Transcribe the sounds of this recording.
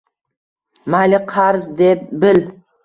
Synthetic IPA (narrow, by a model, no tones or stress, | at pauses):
malʲɪqʰɑɾzd̪ep̚bɪl